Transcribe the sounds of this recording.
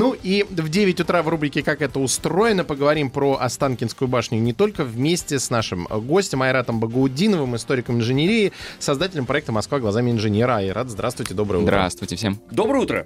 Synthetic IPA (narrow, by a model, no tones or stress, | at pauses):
nuʔivdʲevʲɪtʲʊt̪ɾavrubɾʲɪkʲɪkakɛt̪əʊst̪ɾo̞ɪnəpəɡəvɐɾʲimpɾoʔɐst̪ankʲɪnskʊjʊbaʂnʲʊʊnʲɪt̪o̞lʲkəvmʲesʲtʲɪsnaʂɨmɡo̞sʲtʲɪmɐjɾat̪əmbəɡəʊdʲinəvɨmɨst̪o̞ɾʲɪkəmɪnʐɨnʲeɾʲiɪsɐzd̪atʲɪlʲɪmpɾɐɛk̚t̪əmɐskvaɡlˠɐzamʲɪɪnʐɨnʲeɾəaiɾʔat̪zd̪ɾast̪vʊjtʲɪd̪o̞bɾəjəud̪ɾɾa̰st̪vʊjtʲɪfsʲemd̪o̞bɾəjəut̪ɾə̰